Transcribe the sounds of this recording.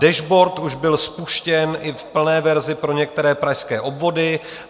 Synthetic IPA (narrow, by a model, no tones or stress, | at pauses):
dɛʒbo̞ɾt̪uʒbɪlspuʃcɛnʔɪfpl̩nɛːvɛɾzɪpɾo̞ɲɛk̚t̪ɛɾɛːpɾajskɛːʔo̞bvo̞dɪ